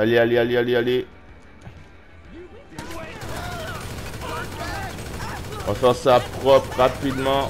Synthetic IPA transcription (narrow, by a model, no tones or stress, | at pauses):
alealealialiale | ɔ̃fɛʁsapʁɔpʁapid̪mɑ̃